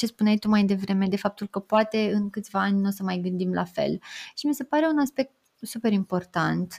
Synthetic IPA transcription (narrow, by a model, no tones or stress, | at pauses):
t͡ʃe̞spunet̪umajd̪e̞vɾe̞me̞d̪e̞fap̚t̪ulkəpoat̪e̞ɨnkɨt̪sʲvaanʲnosəmajɡɨnd̪imla̰fe̞̰lʃimise̞paɾe̞unaspe̞k̚t̪ | supe̞ɾimpo̞rt̪ant̪